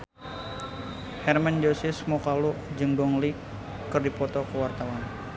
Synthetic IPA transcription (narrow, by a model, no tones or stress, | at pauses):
hɛrmand͡ʒosɪsmɔkaluʔd͡ʒəŋɡɔŋli | kːərdipɔt̪ɔkəwart̪awan